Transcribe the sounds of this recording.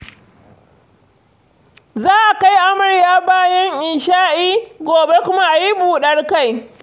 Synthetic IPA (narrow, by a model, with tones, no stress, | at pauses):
zaː˦ʔa˨ka˦jʔa˦mʊ˨ɽjaː˦baː˦jɐ˦ŋʔɪ˨ʃaː˦ʔiː˦ɡʷoː˨be˦kʷʊ˦ma˦ʔa˨ji˦buː˨ɗɐ˦rka˦˨j